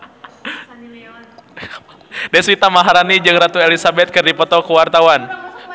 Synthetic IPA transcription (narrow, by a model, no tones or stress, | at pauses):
daswit̪amaɦaɾanid͡ʒɨŋrat̪uelisabɛt̪̚kɨrdipɔt̪ɔkəwart̪awan